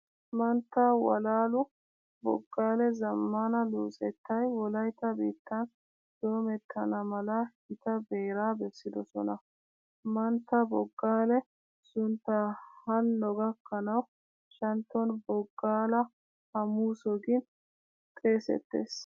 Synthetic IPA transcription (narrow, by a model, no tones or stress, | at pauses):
mɐnt̪ːawɐ̰laːlʊ | bɔ̰ɡːaːlɛzɐmːanɐluːsʼɛt̪ʰːɐjwɔlɐjt̪ːɐbiːt̪ːɐn | d̪̥oːmɛt̪ʰːɐnɐmɐlɐhɪt̪ɐbe̞ːɾaːbɛsːɪd̪ɔsɔ̰nɐ | mɐnt̪ːɐbɔɡːaːlɛ | sʊnt̪ːahɐnːɔɡɐkʰːɐnɐw | ʃɐnt̪ːɔnbɔɡːaːlɐ | hɐmuːsɔɡɪn | t̪ʼe̞ːsɛ̰t̪ːḛːs